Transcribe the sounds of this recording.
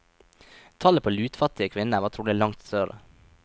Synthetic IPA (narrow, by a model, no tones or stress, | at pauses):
t̪ʰɑləpʰoːlʉːt̪fɑt̪ɪəkʰʋɪnəʋɑːt̪ʰɾuːlɪlɑŋt̪søːɾə̰